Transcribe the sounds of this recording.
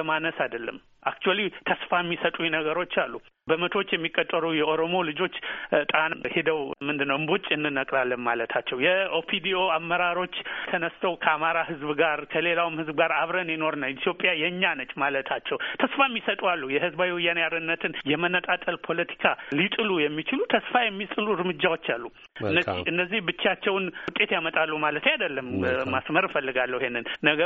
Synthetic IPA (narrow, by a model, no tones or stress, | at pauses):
əmanəsajd̪əlːə̰m | ʔak̚t͡ʃualiwt̪ʰəsfajmːisət̪ʼujɛnəɡəɾo̞t͡ʃːalːu | bəmət̪ʰo̞t͡ʃːjɛmːikʼːot̪ʼːəɾujɛʔo̞ɾo̞mo̞lɨd͡ʒo̞t͡ʃːt̪ʼanhed̪əwmɨnd̪ɨnːəwɨmbot͡ʃʼːɨnːɨnːəkʼɾalːənmalət̪ʰat͡ʃːɛwjɛʔopʰid̪io̞amːəɾaɾo̞t͡ʃːt̪ʰənəst̪ʰəwkʰəamaɾahɨzbɡaɾkʰəle̞lawɨmhɨzbɨɡaɾaβɾənjɛno̞ɾnawit̪ʰjo̞pʼjajɛɲːanət͡ʃːmalət̪ʰat͡ʃːɛwt̪ʰəsfajmːisət̪ʼualːujɛhɨzbawiwɨjːanjaɾɨnːət̪ʰɨnjɛmənːət̪ʼat̪ʼəlpʰo̞lət̪ʰi̥kʰalit̪ʼɨlujɛmːit͡ʃɪlut̪ʰəsfajɛmːit̪ʼɨluɾmɨd͡ʒːawo̞t͡ʃːalːu | ɨnːəziɨnd̪əzːihbɨt͡ʃːat͡ʃːɛwnʊt̪ʼe̞t̪jamət̪ʼalːumalət̪ʰajad̪əlːəmmasməɾfəlːɨɡalːəwihenːɨnːəɡə